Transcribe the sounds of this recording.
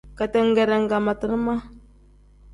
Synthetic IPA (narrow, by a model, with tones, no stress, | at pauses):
ka˨tɛ˦ŋ˦ɡɛ˨ɾɛ˨ŋ˨ɡa˨ma˨tə˨ɾma˦